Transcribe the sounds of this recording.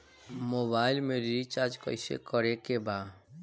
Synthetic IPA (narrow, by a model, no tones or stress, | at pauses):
mobajlmeɾiɾit͡ʃaɾd͡ʒkɔjsḛkɔɾekeba